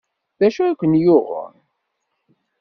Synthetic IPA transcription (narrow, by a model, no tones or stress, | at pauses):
ðæʃukʷənjʊʁə̰n